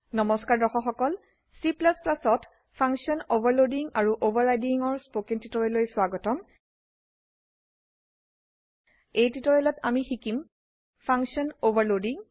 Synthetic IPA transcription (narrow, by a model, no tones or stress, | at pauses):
nɔmɔskaɹdɔxɔxɔkɔl | siplasplasɔt | pʰaŋksiɔnobaɹlodiŋaɹuʔobaɹajdiŋɔɹspokentitɔɹɛlojswaɡɔtɔm | ejtitɔɹɛlɔtamixikim | pʰaŋksiɔnobaɹlodiŋ